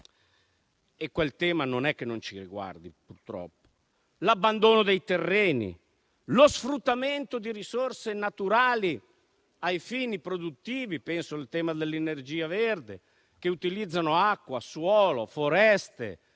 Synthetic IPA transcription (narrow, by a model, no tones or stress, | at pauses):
ekːwelt̪ɛːmanonɛkːenont͡ʃiriɡwa̰rd̪ipurt̪ɾɔ̰pːo̥ | labːand̪oːnod̪ejt̪erːeːnḭ | losfɾut̪ːament̪od̪iɾisorsenat̪uɾaːli | ajfiːnipɾod̪ut̪ːiːvipɛnsoilt̪ɛːmad̪elːenerd͡ʒiːaverd̪e | k̟eut̪ilid̪zːanoakːwaswɔːlofoɾɛst̪ḛ